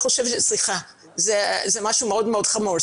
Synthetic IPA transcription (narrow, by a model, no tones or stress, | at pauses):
oʃɛvʃɛsliχa | zɛzɛmaʃumeod̪meod̪̥χamuʁ